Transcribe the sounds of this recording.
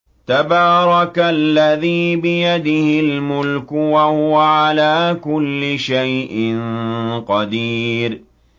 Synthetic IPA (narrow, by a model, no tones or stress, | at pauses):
t̪abɑːɾˤɑkalːaðiːbɪjad̪ɪhɪlmʊlkʊwahʊwaʕalaːkʊlːɪʃajʔɪnqɑd̪iːɾ